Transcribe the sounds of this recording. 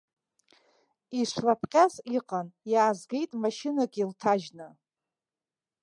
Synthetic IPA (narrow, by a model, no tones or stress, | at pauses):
iʂʷlapʰqʲʼaziqʼanjaːzɡʲe̞jtʼmaʃinaɡʲiltʰaʒnɨ